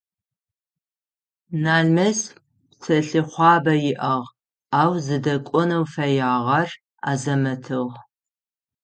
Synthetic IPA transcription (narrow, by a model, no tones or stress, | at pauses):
naːɮmɐs | t͡sʰɐɬɨχʷɑːbɐjɪʔɐʁ | aːwzɨdɐkʷʼɔnɐwfɐjaːʁɐr | a̰ːzɐmɐtʰɨʁ